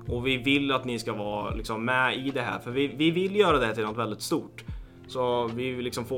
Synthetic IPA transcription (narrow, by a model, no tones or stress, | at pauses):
ʔɔvɪvɪlːat̪nɪskavɑːlɪ̰ksɔmːɛɪd̪ɛɦæ̰ːɾfœɾvɪvɪvɪlːjœːɾad̪ɛhæt̪ɪlnɔt̪vɛld̪ɪt̪st̪uːʈ | sɔvɪlɪksɔmfoː